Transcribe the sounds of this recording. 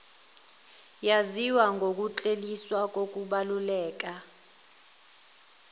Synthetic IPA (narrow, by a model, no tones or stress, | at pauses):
jaziwaŋɡʱok̬ʼut͡ɬʼeliswak̬ʼok̬ʼuɓalulɛːk̬ʼa